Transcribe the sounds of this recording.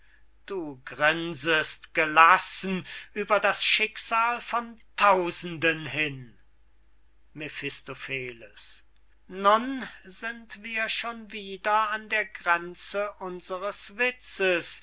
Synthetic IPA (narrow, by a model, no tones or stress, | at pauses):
d̥uːɡʁɪnzəstɡ̥əlasn̩ʔyːbɐdasʃɪkz̥aːlfɔntʰaʊzn̩dənɦɪn | mefɪstofeːləs | nʊnzɪntv̥iːɐʃoːnviːdɐandeːɐɡʁɛnt͡səʔʊnzəʁəsv̥ɪt͡səs